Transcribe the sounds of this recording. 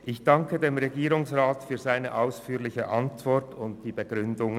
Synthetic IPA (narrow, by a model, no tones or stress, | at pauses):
ʔɪçd̥ɑŋkədeːmʁeɡiːʁʊŋsʁaːtfyːɐzaɪnəʔaʊsfyːlɪçəʔɑntv̥ɔɐtʰʊnt̚d̥iːbəɡ̥ʁʏndʊŋ